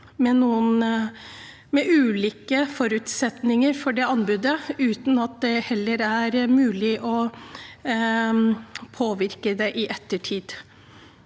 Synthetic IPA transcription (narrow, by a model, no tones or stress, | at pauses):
mɛnuːən | mɛʔʉːliːkəfɔɾʉt̪sɛt̪nɪŋəɾfɔɖɛɑnbʉd̪əʉːt̪n̩ɑt̪̚d̪ɛhɛlːəɾæɾmʉːlɪʔɔ | pʰoːʋɪɾkəd̪ɛʔɪʔɛt̪ːəʈʰiːd̪